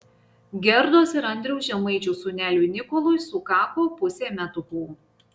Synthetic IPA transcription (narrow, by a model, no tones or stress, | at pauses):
ɡʲɛɾd̪oːsɪɾɐnʲd̪ʲɾʲɛʊsʒʲɛmɐɪt͡ʃʲuːsʊːnʲæːlʲunʲɪkɔlˠʊɪsʊkɑːpoːpʊsʲeːmʲɛt̪ʊpuː